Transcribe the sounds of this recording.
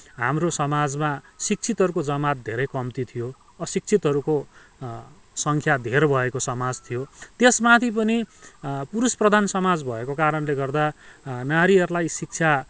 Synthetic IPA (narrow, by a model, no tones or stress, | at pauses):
ɦa̰mrosʌmad͡zmasik̚t͡sʰit̪ɦʌɾukod͡zʌmat̪̚d̪ʱeɾʌjkʌmt̪it̪ʰijo | ʌsik̚t͡sʰit̪ɦʌɾuko | sʌŋkʰjad̪ʱeɾbʱʌekosʌmad͡zt̪ʰijot̪esmat̪ʰip̬ʌnipuɾusprʌd̪ʱansʌmad͡zbʱʌekokaɾʌnleɡʌrd̪anaɾiʌɾulajsik̚t͡sʰa